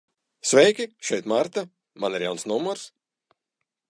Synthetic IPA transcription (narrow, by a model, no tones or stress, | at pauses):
svʲɛjkʲiʃɛjt̪maɾt̪a | maniɾjawnsnumɔɾs